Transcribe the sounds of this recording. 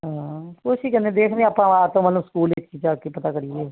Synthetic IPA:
ɦãːkʊʃiːkɛneːd̪eːkʰnẽːaːpãːaːt̪õːmət̪ləbskuːlek̚t͡ʃiːd͡ʒakipət̪aːkəɾiːɛː

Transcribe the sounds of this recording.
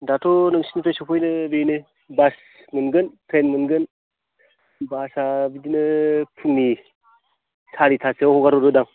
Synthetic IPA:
datʰɔnɯŋsinitɔjsɔpʰɔjnɯbenɯ | bas | mɯnɡɯntʰɾenmɯnɡɯn | basabidinɯpʰuŋni | saɾitʰaseɔhɔɡaɾɔdɔdaŋ

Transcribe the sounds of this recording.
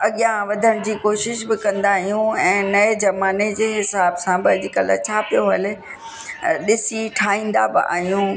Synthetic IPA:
ɐɠijãʋɐd̪ʱəɽ̃d͡ʑiːkoːʃɪʃbɪkɐ̃nd̪aɦijũɛ̃ːnɐed͡ʑɐmaːned͡ʑeːɦɪsaːbsãbɪɐd͡ʑɪkəlt͡ɕʰaːpijoɦɐlɪ | ɗɪsiʈʰaːɦĩːnd̪a̰bɪ̰ʔa̰ːɦijũ

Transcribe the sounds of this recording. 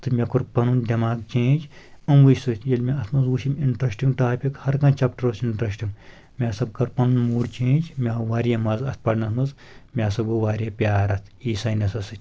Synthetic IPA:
t̪ɨmʲɐkuɾpɐnund̪ʲɐmaːɡt͡ʃẽːd͡ʒ | ɐmʋusɨt̪ʲjɐlʲmʲaɐt̪ʰmɐzuːʃimiɳʈɾɐsʈiŋɡʈaːpʲikhɐɾkɐ̃nt͡ʃaːp̚ʈɐɾɐsiɳʈɾɐsʈiŋɡ | mʲaːsɐb̚kɐɾpɐnunmuːɽt͡ʃẽːd͡ʒmʲaʋaːɾjɐmɐzɐst̪̚pɐɖnɐsmɐz | mʲaːsɐboʋaːɾjɐpʲaːɾɐt̪ʰiːsaːnɐsɐsɨt̪ʲ

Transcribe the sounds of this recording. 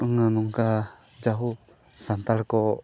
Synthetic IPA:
əŋanuŋkad͡ʒaɦusant̪alkɔ

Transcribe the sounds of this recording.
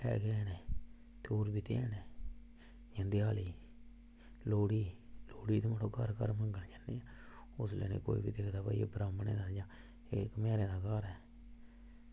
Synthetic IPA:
ɛ̰ːɡɛneː | t̪eoːɾbiːt̪eɛːneː | jãːd̪ɪjaːliː | loːɽiːloːɽiːt̪ːmənõːkəɾkəɾmə̃ŋɡənd͡ʒənːiːɛː | ʊslə̰nḛːko̰ːḭːbiːd̪eːkʰd̪aːpa̰ːiḛbɾaːmənḛːd̪aːd͡ʒãː | ekmɛːɾeːd̪aːkəɾɛː

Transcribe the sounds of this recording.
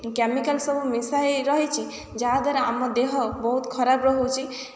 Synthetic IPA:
kɛmikəlsəbmisaiɾəɦɛt͡ʃʰi | d͡ʒad̪əɾamːɔd̪eɦɔbɔɦut̪kʰɔɾabɾɔɦut͡ʃʰi

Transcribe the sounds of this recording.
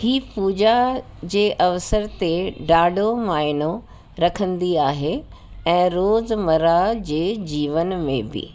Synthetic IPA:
hiːpuːd͡ʑa | d͡ʑeːʔɐʋsəɾt̪eɖaːɖʱomaːɪno | ɾɐkʰə̃nd̪iaːɦe | ɛ̃ːɾoːzmɐɾad͡ʑeːd͡ʑiːʋənmẽbɪ̰

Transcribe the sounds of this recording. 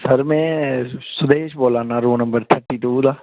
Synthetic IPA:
səɾmɛ̃ːsʊd̪eːʃboːlaːnaːɾoːnəmbəɾt̪ʰəɾʈiːʈuːd̪aː

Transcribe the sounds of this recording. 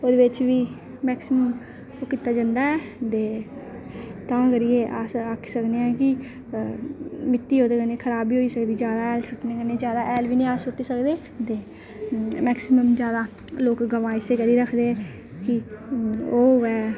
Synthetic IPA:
oːd̪eːʋɪt͡ʃʋiː | mɛːksɪməm | okit̪aːd͡ʒə̃nd̪aːɛːt̪eː | t̪ãːɡəɾiːeːʔaːsakʰːsəkd̪eːɛ̃ːkɪ | mɪt̪ːiːɦoːd̪eːkəneːkʰəɾaːbiːɦoːiːsəkd̪iːd͡ʒjaːd̪aːɛːlsʊʈneːkəneːd͡ʒjaːd̪aːʔɛːlʋiːnĩaːsʊʈːiːsəkd̪eː | t̪eː | mɛːksɪməmd͡ʒjaːd̪aː | loːkɡəʋaːiseːkəɾiːɾəkʰd̪eːɛ̃ː | kɪ | oːʋɛː

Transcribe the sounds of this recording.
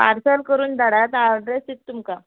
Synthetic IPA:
a̰ɾsalkəɾuːnd̪aɽat̪aɖɾeset̪ːumka

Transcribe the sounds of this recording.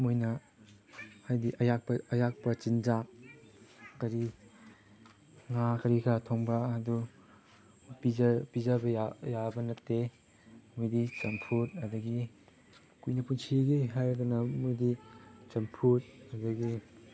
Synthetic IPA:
mujnɐ | hajdiʔɐjak̚pɐɐjak̚pɐt͡ʃind͡ʒa | kɐɾi | ŋakɐɾikʰatʰoŋbɐɐdu | pizɐpizɐbɐjajabɐnɐtːe | mujdit͡ʃɐmpʰut̚ɐdɐɡi | kujnɐpunsʰiɡeɦajɐdunɐmujdit͡ʃɐmpʰut̚ɐdɐɡi

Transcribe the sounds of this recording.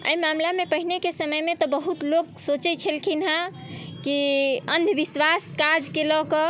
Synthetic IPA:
ə̰jmamlamepəɦinekesəməjmet̪ɔbəɦut̪loksot͡ʃɛt͡ʃʰəlkʰinɦã | kiənd̪ʱbiswaskad͡ʒkelɔkɔ

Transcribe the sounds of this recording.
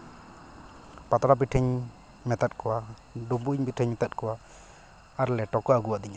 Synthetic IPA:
pat̪ɾabiʈʰəɲ | mɛt̪at̪̚ˀkɔwa | ɖubuɲbiʈʰəɲmɛt̪at̪̚kɔwa | aɾlɛʈɔkɔaɡuwaʔd̪iɲa

